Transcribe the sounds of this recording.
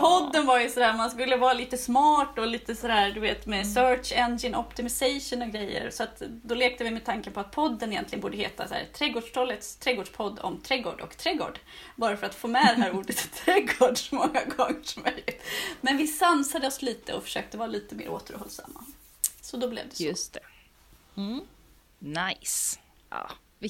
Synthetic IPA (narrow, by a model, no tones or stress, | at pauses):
pʰɔd̪ːənvaɾjɵsɔd̪æːmanskɵlːəvɑːɾaliːt̪əsmɑːʈɔliːt̪əsɔd̪æːɾd̪ɵveːt̪mɛsœʂɛnd͡ʒɪnɔpt̪ɪmɪsɛjʂənɔɡɾɛjːə̰ɾsɔat̪d̪ɔleːk̚t̪əvɪmɛːd̪t̪ʰaŋkənpɔat̪̚pʰɔd̪ːənɪjɛnt̪lɪənbuːɖəhḛːt̪a̰sæ̰ːɾt̪ʰɾɛɡoːɖʂʈʰɔlːət̪st̪ʰɾɛɡoːɖʂpʰɔd̪ːɔ̰mt̪ʰɾɛɡo̰ːɖɔ̰kt̪ʰɾɛɡo̰ːɖ | bɑːɾafœɾat̪foːmɛd̪ɛɦæːɾuːɖət̪ʰːɾɛɡoːɖʂɔmɔŋːaɡɔŋːəʂɔmœlɪt̪mɛnvɪsansad̪əɔsliːt̪əɔfœ̥ʂøːk̚t̪əvɑːɾaliːt̪əmḛːɾo̰ːt̪əɾhɔ̰lsa̰mːa̰ | sɔd̪ɔblɛ̰vd̪st̪ɛ | najs | ʔɑ̰ː